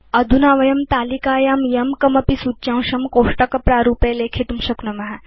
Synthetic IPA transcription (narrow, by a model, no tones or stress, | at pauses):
ɐd̪ʱunaːʋɐjɐmt̪aːlikaːjaːmjɐmkɐmɐpisut͡ʃãːwʃɐmkoːʂʈɐkɐpɾaːɾuːpeːleːkʰet̪umʃɐknɐmɐɦɐ